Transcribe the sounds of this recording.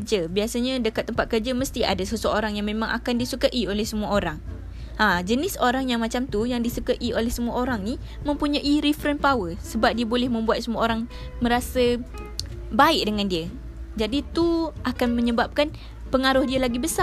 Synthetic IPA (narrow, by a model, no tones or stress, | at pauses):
d͡ʒəbiasaɲãdəkat̪ːəmpat̪̚kərd͡ʒaməst̪ia̰dasəsəoɾaŋjaŋmẽmãŋʔa̰kandisukaʔiolɛhsəmuaoɾaŋ | ʔãd͡ʒənɪsoɾaŋjaŋmat͡ʃamt̪ujaŋdisukaʔiolɛhsəmuaoɾaŋni | mə̃mpuɲaʔiɾɛfəɾənpawəsəbap̚diabolɛhmə̃mbuat̪̚səmuaoɾaŋ | mə̃ɾasə | baɪʔ̚dəŋandiə | d͡ʒadit̪uʔakanmə̃ɲəbap̚kan | pəŋaɾʊhdialaɡibəsa